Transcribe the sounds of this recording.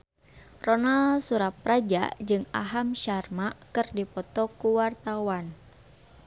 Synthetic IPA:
rɔnalsuɾap̚rad͡ʒa̰d͡ʒɨŋa̰ɦamʃarmakɨrdipɔt̪ɔkuwart̪awan

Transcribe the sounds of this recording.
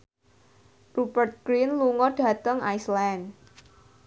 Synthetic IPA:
rupərt̪̚kɾinluŋɔɖ̥a̤t̪əŋajslan

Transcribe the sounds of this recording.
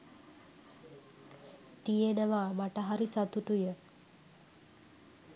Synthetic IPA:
t̪ijenəʋaːmaʈəɦaɾisat̪uʈujə

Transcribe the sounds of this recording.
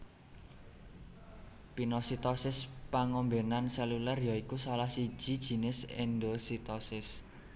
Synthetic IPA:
pinɔsit̪ɔsɪspaŋɔmbenansɛlulɛrjɔikusalahsid̥ʒ̥i̤d̥ʒ̥i̤nɪsɪ̰nɖosit̪ɔsɪs

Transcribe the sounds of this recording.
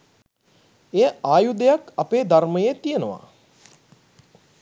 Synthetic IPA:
ejəaːjud̪əjakapeːd̪arməjet̪ijənəʋa̰

